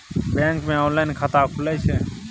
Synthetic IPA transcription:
bẽːŋkmẽɔ̃ːnlaːɪnkʰat̪akʰʊlat͡ʃʰeː

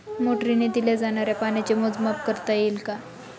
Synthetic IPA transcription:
moʈɾined̪iljad͡zaɽ̃aɾjapañat͡ɕemod͡zmap̚kəɾt̪ajilka

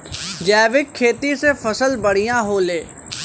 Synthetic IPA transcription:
d͡ʒɛːʋɪkʰːeːt̪isefɐsəlbɐɽ̤ijãɦoːleː

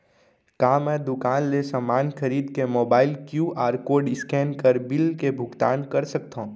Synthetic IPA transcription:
kaːmɛ̃ːd̪ʊkaːnlesəmːaːnxʰəɾiːd̪kemoːbaːɪlkjuʔaːɾkoːɾɖɪskɛːnkəɾbɪlkebʱʊɡt̪a̰ːnkɐɾsɐk̚t̪ã

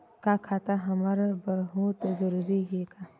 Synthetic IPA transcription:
kakʰat̪aɦɐmaɾabɐɦut̪zəɾuɾiɦeka

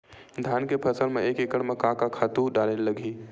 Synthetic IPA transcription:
d̪ʱjaːnkepʰɐsəɾmẽeːkekəɽmẽkãːkakʰaːt̪uɖaːlelɐɡʱiː

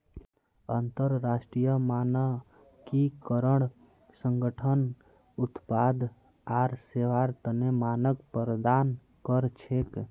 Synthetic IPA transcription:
ənt̪əɾːasʈɾijəmanə | kikəɾəɽ̃ | səŋɡəʈʰən | ut̪pad̪ | aɾseʋaɾt̪ənemanəkpəɾd̪an | kəɾt͡ʃʰek

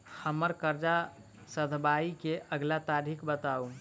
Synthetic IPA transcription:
həməɾkəɾd͡ʒa | səd̪ʱbaikeʔəɡlat̪aɾʱikbət̪au

